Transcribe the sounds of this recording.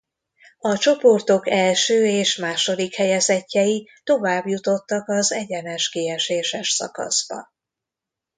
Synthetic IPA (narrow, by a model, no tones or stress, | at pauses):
ɒt͡ʃo̞po̞rt̪o̞kɛlʃøːeːʃmaːʃo̞d̪ikhɛjɛzɛcːɛjit̪o̞vaːbjut̪o̞t̪ːɒkɒzɛɟɛnɛʃkeːɛʃeːʃɛʃsɒ̰kɒ̰z̥b̥ɒ̰